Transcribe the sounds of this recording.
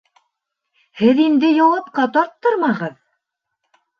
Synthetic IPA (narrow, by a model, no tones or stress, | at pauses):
hɘðind̪ɘjɒwɑpqɑt̪ɒɾt̪ːɤɾmɑʁɤð